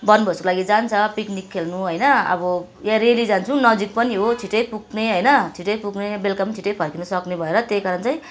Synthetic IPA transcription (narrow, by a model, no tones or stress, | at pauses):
bʌnbʱʌskolaɡid͡zant͡sʰʌpiknikʰːelnuɦʌjnʌʌ̰bʌ | jãɾelid͡zant͡sʰũnʌd͡zik̚pʌniɦot͡sʰiʈʌjpuk̚neɦʌjnʌt͡sʰiʈʌjpuɡnebelkʌmt͡sʰiʈʌjpʰʌrkinʌsʌknebʱʌeɾʌt̪ejkaɾʌnt͡saj̃